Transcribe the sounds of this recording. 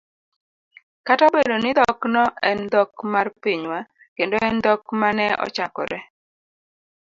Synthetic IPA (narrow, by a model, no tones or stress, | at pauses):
katabedonɪd̪ɔknɔʔɛnd̪ɔkmarpiɲwa | kendoɛnd̪ɔkmanɛɔ̰t͡ʃakɔ̰ɾɛ